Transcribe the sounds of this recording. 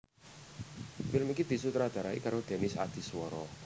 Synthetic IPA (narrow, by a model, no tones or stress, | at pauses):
fɪlmikid̪̥i̤sut̪ɾad̪̥a̤ɾaḭkaɾod̪̥e̤nɪsa̰d̪̥i̤swɔɾɔ